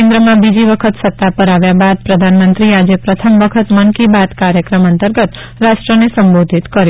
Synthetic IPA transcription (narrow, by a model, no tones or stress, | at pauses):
ẽnd̪ɾəmãbid͡ʒiʋəkʰət̪sət̪ːapəɾaʋjabad̪̚pɾəd̪ʱanmənt̪ɾiad͡ʒepɾət̪ʰəmʋəkʰət̪mənkibad̪kaɾjəkɾəmənt̪əɾɡət̪ | ɾaʃʈɾənesəmbod̪ʱit̪kəɾj